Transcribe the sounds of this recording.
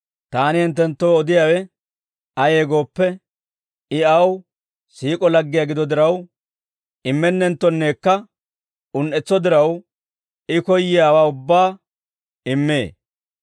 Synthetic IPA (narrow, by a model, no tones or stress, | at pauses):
t̪aːnɪhɛnt̪ːɛnt̪ːoːɔd̪ɪjaːwɛ | ɐjeːɡo̞ːpːɛ | ɪɐw | siːkʼɔlɐɡːɪjaɡɪd̪ɔd̪ɪɾɐw | ɪmːɛnːɛnt̪ːɔnːe̞ːkːɐ | ʊnʔɛt͡sːɔd̪ɪɾɐw | ɪkɔjːɪjaːwaːʊbːaː | ɪmːeː